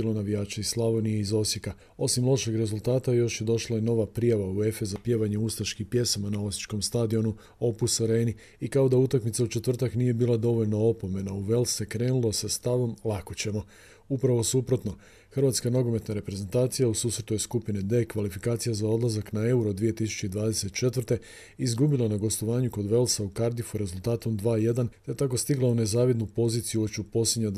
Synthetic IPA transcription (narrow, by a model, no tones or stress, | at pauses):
ilonaʋijaːt͡ʃaislˠaʋo̞nijeizo̞sje̞ka | o̞simlˠo̞ʃe̞ɡɾe̞zulˠt̪aːt̪ajo̞ʃje̞d̪o̞ʃlaje̞no̞ʋapɾijaʋaue̞fe̞zapje̞ʋaɲeust̪aʃkipje̞samanao̞sjit͡ʃko̞mst̪ad̪io̞nu | o̞pusoɾeːni | ikao̞d̪aut̪akmit̪saut͡ʃe̞t̪ʋr̩t̪aknije̞biːlˠad̪o̞ʋo̞ʎno̞opo̞me̞nauʋe̞lse̞kɾe̞ːnulˠo̞sast̪aʋo̞mlˠako̞t͡ɕe̞mo̞ | upɾaʋo̞supɾo̞t̪no̞ | xr̩ʋat̪skano̞ɡo̞me̞t̪naɾe̞pɾe̞ze̞nt̪aːt̪sijausuːsɾet̪uje̞skupined̪e̞kʋalifikaːt̪sijazao̞d̪lˠazaknae̞uɾod̪ʋije̞t̪isu̥t͡ɕe̞id̪ʋaːd̪e̞se̞t̪t͡ʃe̞t̪ʋər̩ɾt̪e̞ | izɡubilˠanaɡo̞st̪o̞ʋaːɲuko̞d̪ʋe̞lsaukaɾd̪ifuɾe̞zulˠt̪aːt̪omd̪ʋaːje̞d̪ant̪et̪ako̞st̪iɡlˠaune̞zaːʋid̪nupo̞ziːt̪sijuot͡ɕupo̞slʲed̪ɲa